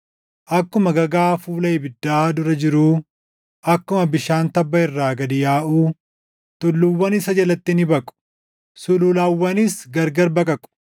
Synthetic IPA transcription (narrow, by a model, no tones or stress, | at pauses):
ʔɐkːʊmɐɡɐɡaːfuːlɐɪbɪd̪ːaːd̪ʊɾɐd͡ʒɪɾuː | ʔɐkːʊmɐbɪʃaːnt̪ɐbːɐɪrːaːɡɐd̪ɪjaːʔuː | t̪ʼʊlːʊwːɐnɪsɐd͡ʒɐlɐt̪ːɪnɪbɐkʼʊ̥ | sʊlʊlaːwːɐnɪsɡɐɾɡɐɾbɐkʼɐkʼʊ̥